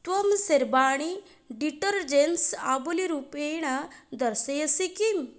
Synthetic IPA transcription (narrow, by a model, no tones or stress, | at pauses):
t̪wɐmseɾbaːɽ̃i | ɖiʈəɾd͡ʒensabuliɾupeɳ̃ad̪ɐɾsɐjɐsikim